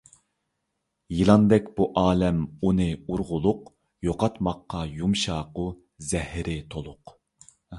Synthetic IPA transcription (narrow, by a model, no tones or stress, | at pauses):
jɨlˠɑnd̪ɛkʲb̥uʔɑːlɛmunɨuɾʁʊlˠʊq | joqɑt̪mɑqːɑjumʃɑːqʊ | zɛhɪɾɪt̪ʰolˠʊq